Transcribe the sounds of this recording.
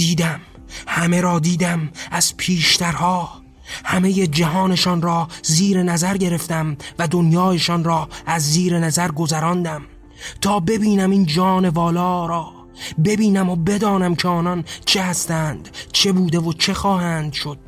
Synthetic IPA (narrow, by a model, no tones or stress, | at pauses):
diːd̪æm | hæme̞ɾɒːd̪iːd̪æmæz̥pʰiːʃt̪æɾhɒː | hæmeje̞d͡ʒæɦɒːne̞ʃɒːnɾɒːziːɾe̞næzæɾɟe̞ɾe̞ft̪æmvæd̪onjɒːje̞ʃɒːnɾɒːæzːiːɾe̞næzæɾɡo̞zæɾɒːnd̪æm | t̪ʰɒːbe̞biːnæmind͡ʒɒːne̞vɒːlɒːɾɒː | be̞biːnæmobe̞d̪ɒːnæmkʰeɒːnɒnt͡ʃʰehæst̪æːnd̪̥t͡ʃʰe̞buːd̪e̞vot͡ʃʰe̞xɒːhæːnd̪ʃo̞d̪̥̚